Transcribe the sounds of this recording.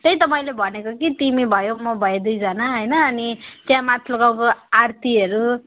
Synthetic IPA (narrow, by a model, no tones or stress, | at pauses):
t̪ʌjt̪ʌpaj̃lebʱʌnekokit̪imibʱʌjomʌbʱʌjed̪ujd͡zʌnaɦʌjnʌːnit̪jãmat̪ʰloɡawkoart̪iɦʌɾu